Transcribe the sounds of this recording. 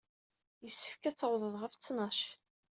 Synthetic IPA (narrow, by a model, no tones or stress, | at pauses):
jəsːə̥fkæt͡sːʁðˤəðˤʁəft͡sːnɑʃ